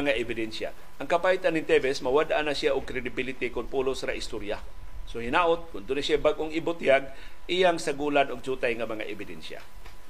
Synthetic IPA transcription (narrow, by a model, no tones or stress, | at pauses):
ŋaʔɛbɪd̪ɛnsa̰ | ʔɐŋkapajt̪anɪŋt̪ɛvɛsmɐwad̪ʔanasjaʔʊɡ̚kɾɛd̪ɪbɪlɪt̪ɪkʊnpulosɾaʔɪst̪oɾja | sohɪnaːʔʊt̪̚kʊnd̪ʊnasjabaɡʔoŋɪbʊt̪jaɡ̚ | ʔɪjaŋsaɡuːlanʊɡ̚d͡ʒuːt̪ajŋɐmɐŋa̰ʔɛbɪd̪ɛnʃja̰